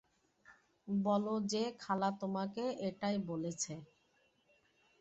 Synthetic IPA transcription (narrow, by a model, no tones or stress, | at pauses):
bɔlod͡ʑekʰalat̪omakeeʈajbolet͡ɕʰe